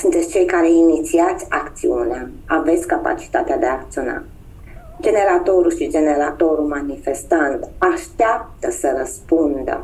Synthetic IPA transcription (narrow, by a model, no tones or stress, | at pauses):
sunt̪et̪sʲt͡ʃe̞jkaɾeinit̪siat̪sʲakt̪siuneaave̞t̪sʲkapa̰t͡ʃi̥t̪at̪ead̪eakt̪sio̞na̰ | d͡ʒe̞ne̞ɾat̪o̞ɾuʃid͡ʒe̞ne̞ɾat̪o̞ɾumanifest̪ant̪aʃt̪eap̚t̪əsəɾəspund̪ə̰